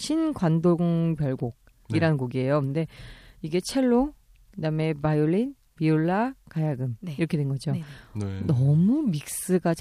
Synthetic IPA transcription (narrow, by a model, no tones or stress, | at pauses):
ɕʰinɡwandoŋpjʌɭɡoɡ̚ | iɾanɯnɡoɡie̞jokɯnde̞iɡe̞t͡ɕʰe̞ɭːoŋ | kɯdame̞majoɭːin | pioɭːakajaɡɯmiɾʌkʰedwenɡʌd͡ʑo | nʌmumik̚s͈ɯɡat͡ɕ